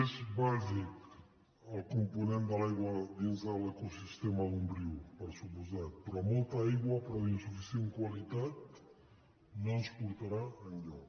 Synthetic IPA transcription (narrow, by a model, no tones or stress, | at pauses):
ezβazik | əlˠkumpunẽnd̪əlajɣwad̪inzðələkusist̪emaðumbɾiwpəɾsupuzat̪̚pɾɔmolˠt̪aajɣwapɾɔinsufisjeŋkwalit̪at̪̚ | nonspuɾt̪aɾaəʎɔ